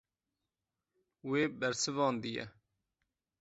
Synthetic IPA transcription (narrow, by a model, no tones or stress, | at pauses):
weːbæɾsɪvɑːnd̪ijɛ̰